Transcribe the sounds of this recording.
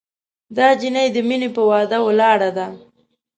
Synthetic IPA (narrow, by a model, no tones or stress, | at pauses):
d̪ɑd͡ʒinajd̪əminepəwɑd̪awəlɑɽad̪a